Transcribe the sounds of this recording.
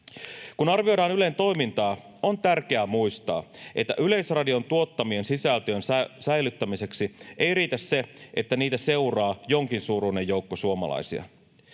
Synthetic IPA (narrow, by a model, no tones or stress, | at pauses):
kunɑrʋio̞jdɑːnyle̞nt̪o̞jmint̪ɑː | o̞nt̪ærke̞æmujst̪ɑ̰ːʔe̞t̪ːæ̰ʔyle̞jsrɑdio̞nt̪uo̞t̪ːɑmie̞nsisælt̪øːnsæjlyt̪ːæmise̞ksiʔe̞jriːt̪æsse̞ʔet̪ːæniːt̪æse̞urɑːjo̞ŋkinsuːɾuine̞jːo̞ukːosuomɑ̰lɑ̰jsḭɑ̰